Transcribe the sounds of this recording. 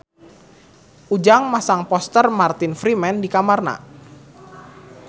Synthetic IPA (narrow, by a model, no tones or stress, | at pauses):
ʔud͡ʒaŋmasaŋpɔst̪ərmart̪ɪnfɾimɛndikamarna̰